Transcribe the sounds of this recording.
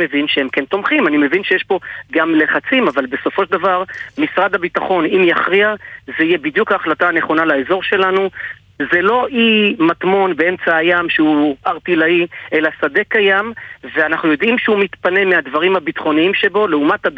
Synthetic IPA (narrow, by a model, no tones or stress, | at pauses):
evinʃehemke̞nt̪o̞mχimanime̞vinʃejeʃbo̞ɡamle̞χat͡simavalbe̞so̞fo̞ʃed̪avaʁmisʁad̪habit̪aχo̞nimjaχʁiazeije̞bid̪jukhaːχlat̪aːne̞χo̞nalaezo̞ʁʃe̞lanu | ze̞lo̞ʔimat̪mo̞nbe̞e̞mt͡saːjamʃeuaʁt̪ilaie̞lasad̪e̞kajamveanaχnujo̞d̪imʃeumit̪pane̞mead̪vaʁimhabit̪χo̞niimʃebo̞leumat̪had